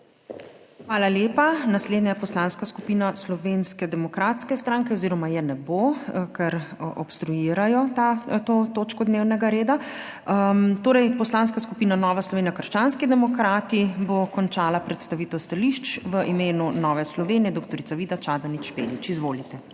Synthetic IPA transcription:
xʋaːlaljeːpanasleːd̪najɛpɔslanskaskupiːnaslɔʋeːnskɛd̪ɛmɔkɾaːt̪skɛst̪ɾaːŋkɛɔziːɾɔmajɛnɛbokɛɾʔɔpst̪ɾujiːɾajɔt̪at̪oːt̪oːt͡ʃkɔd̪neːwnɛɡaɾeːd̪a | t̪oːɾɛjpɔslaːnskaskupiːnanɔːʋaslɔʋeːnjakəɾʃt͡ʃaːnskid̪ɛmɔkɾaːt̪ibokɔnt͡ʃaːlapɾɛt̪st̪aʋiːt̪ɛwst̪aliʃt͡ʃʋəʔimeːnunɔːʋɛslɔʋenijɛd̪okt̪ɔɾit̪saʋiːd̪at͡ʃaːd̪ɔnit͡ʃpḛːlit͡ʃizʋoːlit̪ɛ

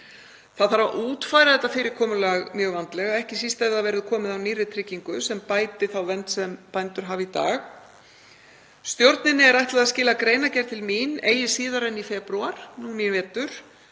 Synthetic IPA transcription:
θaðθaɾva̰ʔuːt̪faːjɾaðɛt̪ːafɪːɾɪɾ̥kʰɔːmʏlaɣmjœːɣvant̪lɛɣaɛhcɪsist̪ɛjvðaðvɛːɾɪðkʰɔːmɪðawniːrɪt̪ʰɾɪciŋkʏsɛmpaːjt̪ɪθawvɛnt̪sɛmpajnt̪ʏɾ̥ɦaːvit̪a̰ːɣ | st̪jowɾt̪nɪnːɪɛɾajht̪laðascɪːlakɾeːjnacɛɾ̥t̪ʰɪlmineːjɪsiːðaɾɛnːifɛpɾuaɾ̥nuːnminvɛːt̪ʏɾ̥

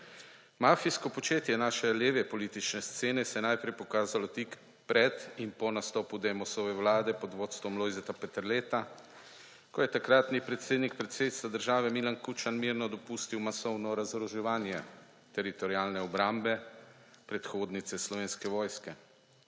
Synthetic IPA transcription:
mafiskɔpɔt͡ʃeːt̪jɛnaːʃɛleːʋɛpɔliːt̪it͡ʃnɛst̪seːnɛsɛjnajpɾɛjpɔkaːzalɔt̪ik | pɾɛt̪impɔnast̪ɔːpud̪ɛmɔsɔʋɛwlaːd̪ɛpɔd̪ʋoːt̪st̪ʋɔmlɔjzɛt̪apɛt̪ɛɾlet̪a | kɔjɛt̪akɾaːt̪nipɾɛt̪seːd̪nikpɾɛt̪sed̪it̪st̪ʋad̪əɾʒaːʋɛmilankut͡ʃanmiɾnɔd̪ɔpust̪iwmasɔwnɔɾazɾɔʒɛʋaːnjɛ | t̪ɛɾit̪ɔɾiaːlnɛɔbɾambɛ | pɾɛt̪xoːd̪nit̪sɛslɔʋeːnskɛʋɔːjskɛ

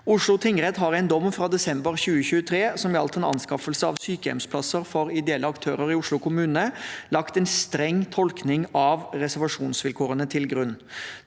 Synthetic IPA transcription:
ʊʂlʊt̪ʰɪŋɾɛt̪ɦɑɾæɪnd̪ɔmːfɾɑːd̪ɛsɛmbəɾçʉːəçʉːət̪ʰɾeːsɔmjɑlt̪ɛnɑ̰nskɑfəlsəɑ̰ʋsyːkəɛ̰mspʰlɑsəɾfɔɾɪd̪ɛɛlːəɑkt̪ʰøːɾəɾɪʊʂlʊkʰʊmʉːnəlɑkt̪ɛɪnst̪ɾɛŋːt̪ʰɔlknɪŋɑʋɾɛsæɾʋɑʂuːnsʋɪlkʰoːɾənət̪ʰɪlɡʁʉnː

